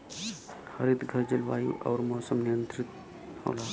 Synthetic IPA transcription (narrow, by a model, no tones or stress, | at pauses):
hɐɾit̪ɡʱɐɾd͡ʒəlʋa̰ːḭʔɔ̰ːɾmoːsəmnɪjənt̪ɾɪt̪̚ | ho̰ːlaː